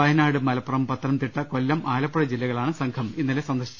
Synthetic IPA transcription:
ɐjɐnaːɽɨmɐlɐpːɐrɐmpɐt̪ːɐɾɐmt̪iʈːɐko̞lːɐmʔaːlɐpːɐɽɐd͡ʑilːɐɣɐɭaːɳɨsɐŋkʰɐminːɐlesɐnd̪ɐrɕi̥t͡ɕː

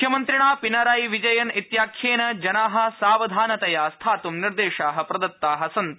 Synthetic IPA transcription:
jɐmɐnt̪ɾiɳ̃aːpinɐɾaːjʋid͡ʒɐjɐnit̪jaːkʰjeːnɐd͡ʒɐnaːɦɐ̆saːʋɐd̪ʱaːnɐt̪ɐjaːst̪ʰaːt̪umniɾd̪eːʃaːɦɐ̆pɾɐd̪ɐt̪ːaːɦɐsɐnt̪

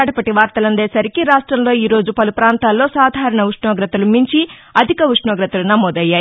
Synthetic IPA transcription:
ɽɐpɐʈiʋaːɾt̪ɐlɐnd̪eːsɐɾikiɾaːʂʈɾɐmlo̞ːiːɾo̞ːd͡ʒupɐlupɾaːnt̪aːlːo̞ːsaːd̪ʱaːɾɐɳɐʋuʂɳɔːɡɾɐt̪ɐlumiɲt͡ʃiɐd̪ʱikɐʋuʂɳɔːɡɾɐt̪ɐlunɐmoːd̪ɐjːaːj

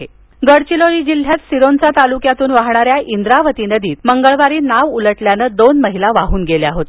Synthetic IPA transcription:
e | ɡəɽt͡ɕiloɭiːd͡ʑil̤ːjat̪siɾont͡sat̪alukjat̪uːnʋaɦɳaɾjaʔind̪ɾaʋət̪inəd̪iːt̪məŋɡəɭʋaɾiːnaʋuləʈljanəd̪onməɦilaʋaɦuːnɡeljaɦot̪

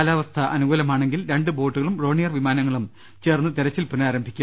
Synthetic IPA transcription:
laːʋɐst̪ʰɐʔɐnuɣuːlɐmaːɳe̞ŋɡilɾe̞ɳɖɨboːʈːuɣɐɭumro̞ːɳijɐrʋimaːnɐŋːɐɭum | t͡ɕe̞ːrnːɨt̪iɾɐt͡ɕːilpunaːɾɐmbʱikʲːu

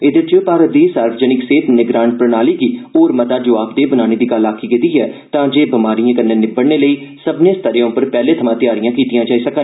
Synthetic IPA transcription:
ɪd̪əɾt͡ʃopaːɾəd̪iːsaːɾʋəd͡ʒənɪkseːt̪nɪɡɾãːɳ̚pɾənaːliːɡiːoːɾmət̪aːd͡ʒoːaːpd̪eːbənaːñeːd̪iːɡəlaːkʰiːkɪt̪iːɦɛːt̪ãːd͡ʒeːbəmaːɾijãːkənːeːnɪbəɽneːləiːsəbnẽːst̪əɾej̃ːʊpəɾpɛːleːt̪ʰəmãːt̪ɪjaːɾɪjãːkiːt̪ɪjãːd͡ʒaːiːsəkən

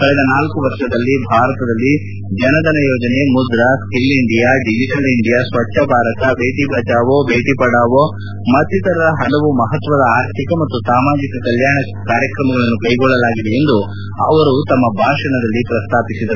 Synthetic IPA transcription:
kɐɭɛd̪ɐnaːlkuʋɐɾʂɐd̪ɐlːibʱaːɾɐt̪ɐd̪ɐlːi | d͡ʒɐnɐd̪ɐnɐjoːd͡ʒɐne̞mud̪ɾɐskilːiɳɖijaːɖid͡ʒiʈɐliɳɖijaːsʋɐʈːʃʰɐbʱaːɾɐt̪ɐbʱeːʈibʱɐt͡ʃaːʋobʱeːʈipɐɽaːʋo | mɐt̪ːit̪ɐɾɐdɐɦɐɽɐʋumɐɦɐt̪ʋɐd̪ɐaːɾt̪ʰikɐmɐt̪ːusaːmaːd͡ʒikɐkɐljaːɳɐ | kaːɾjɐkɾɐmɐɡɐɭɐnːukɐjɡɔɭːɐlaːɡid̪eend̪u | ɐʋɐɾut̪ɐmːɐbʱaːʂɐɳɐd̪ɐlːipɾɐst̪ʰaːpisid̪ɐɾu

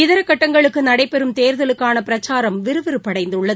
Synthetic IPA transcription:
ɪðɐɾɐkːɐʈːɐŋɡɐɭɯkːɯnɐɽɐɪpːɛɾɯmt̪eːɾðɐlɯkːaːnɐpɪɾɐt͡ʃːaːɾɐmʋɪɾɯʋɪɾɯpːɐɽɐɪnd̪ɯɭːɐð

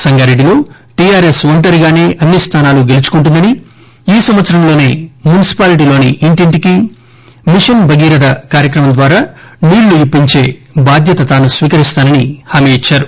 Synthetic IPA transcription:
sɐŋɡaːɾe̞ɖːilo̞ː | ʈiaːɾe̞sʋɐɳʈɐɾiɡaːne̞ːʔɐnːist̪ʰaːnaːluɡe̞lut͡ʃu̥kuɳʈ̬und̪ɐni | iːsɐmʋɐt̪sɐɾɐmlo̞ːneːmunisi̥paːliʈ̬iːlo̞ːnḭʔiɳʈiɳʈiki | miʂɐnbɐɡiːɾɐd̪ɐkaːɾjɐkɾɐmɐnd̪ʋaːɾaːniːɽːuipːiɲt͡ʃe̞̰ːbaːd̪ʱjɐt̪ɐt̪aːnusʋiːkɐɾist̪aːnɐnihaːmeit͡ʃːaːɾu

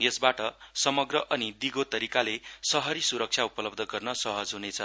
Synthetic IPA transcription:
jesbaʈʌsʌmʌɡrʌʔʌnid̪iɡot̪ʌɾikalesʌɦʌɾisuɾʌk̚t͡sʰaupʌlʌbd̪ʱʌɡʌrnʌsʌɦʌd͡zɦunet͡sʰʌ

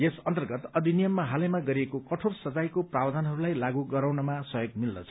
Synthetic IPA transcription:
jesʌnt̪ʌrɡʌt̪ʌd̪ʱinijʌmːaɦalemaɡʌɾiekokʌʈʰorsʌd͡zajkoprawʌd͡z̪ʱʌnɦʌɾulajlaɡuɡʌɾawnʌmasʌjoɡ̚milnʌt͡sʰʌ̥

